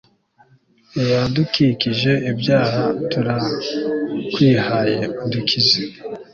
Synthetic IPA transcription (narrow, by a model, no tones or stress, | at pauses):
jadukikiʒe̞ʔibjaːhatuɾa | kwiːhaje̞undikʰize